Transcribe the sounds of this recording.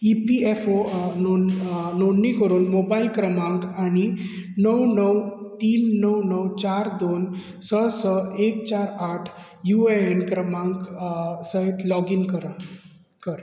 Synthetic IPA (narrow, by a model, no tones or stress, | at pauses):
ipiefonononːikəɾunmobailkɾəmãŋkañinəwnəwt̪iːnːəwnəwt͡ɕaɾd̪oːn | səsəekt͡ɕaɾaʈʰ | jueenkɾəmãŋksəet̪lɔɡinkɾ | kəɾ